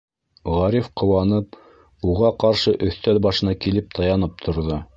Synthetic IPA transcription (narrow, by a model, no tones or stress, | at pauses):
ʁɑɾifqʰŏwɑnɤp̚ | uʁɑqɑɾʃɤʔɵ̆θt̪ælbɑʃɤ̆nɑkilɘp̚t̪ʰɑjɑnɤp̚t̪ʰŏɾðo